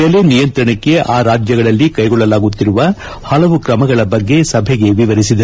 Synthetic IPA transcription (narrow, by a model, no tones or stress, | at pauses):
ɛlenijɐnt̪ɾɐɳɐkːe̞ʔaːɾaːd͡ʒjɐɡɐɭɐlːikɐjɡɔɭːɐlaːɡut̪ːiɾuʋɐ | hɐlɐʋukɾɐmɐɡɐɭɐbɐɡːe̞sɐbʱɛɡeʋiʋɐɾisid̪ɐ